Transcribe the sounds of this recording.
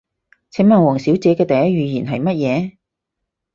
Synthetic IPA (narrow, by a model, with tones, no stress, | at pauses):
t͡sʰɛ˨˥ŋmɐː˨ŋwɔː˨˩ŋsiː˨˥wt͡sɛː˨˥kɛː˧t̪ɐ˨jɐ˥t̚jyː˨˩jiː˨˩nɦɐ˨jmɐ˥t̚jɛː˨˧